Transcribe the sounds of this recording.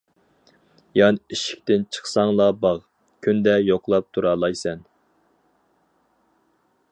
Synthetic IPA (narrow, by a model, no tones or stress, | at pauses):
jɑniʃi̥k̚ʲt̪ɪnt͡ʃʰə̥χsɑŋlˠɑbɑʁ | kʲʰynd̪ɛjoqlˠɑp̚t̪ʰuɾɑːlˠɑjsɛn